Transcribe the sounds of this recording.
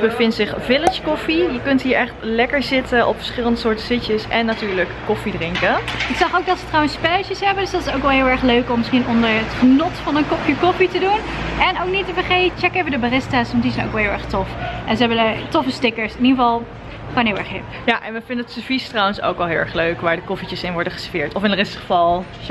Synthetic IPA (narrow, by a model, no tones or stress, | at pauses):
əbəvɪntsɪχvɪlət͡ʃkɔfijəkɵntɦiːɹɛχtlɛkəɹzɪtənʔɔ̰pfə̥ɹsχɪləndəsʊːɹtəsɪtəsɛnːatyːɹləkːɔfidrɪŋkəɪksɑχowk̚dɑtsətrɔwənspɛlət͡ʃəsɦɛbəndsdɑtɪ̥sowkʋɛlˠɦɪːlˠɛɹχløɥkɔmːɪsχinɔndəɹətχənɔtfɑnənkɔfjəkɔfitədunɛnowk̚nitəfəχet͡ʃɛkevəndəbərɪstasʋɑntdizɛjno̰wkʋɛlˠɦɪlˠɛ̰ɹχtɔfʔɛnzəɦɛbənətɔfəstɪkəɹsɪniχəvɑlˠ | konɦɪlˠɛ̰ɹχɦɪpjaʔɛnʋəfɪndəətsəfistrɔwənso̰wkʋɛlˠɦɪlˠɛ̰χløɥkʋaːɹdəkɔfit͡ʃəsɪnʋɔɹdəχə̥sfɪːɹtɔfɪnərɪsχəfɑlˠ